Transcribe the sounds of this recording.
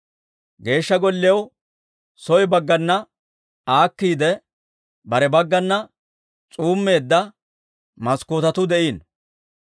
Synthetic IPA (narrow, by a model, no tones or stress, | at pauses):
ɡe̞ːʃːɐɡɔlːɪw | sɔjbɐɡːɐnːɐ | aːkːiːd̪ɛ | bɐɾɛbɐɡːɐnːɐ | t͡sʼuːmːe̞ːd̪ːɐ | mɐskoːt̪ɐt̪ʊd̪ɛʔiːn